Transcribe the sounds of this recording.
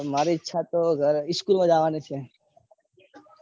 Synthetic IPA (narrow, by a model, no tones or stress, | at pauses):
maɾitːʃʰat̪oɡʱəɾɪskulmãd͡ʒaʋanet͡ʃʰe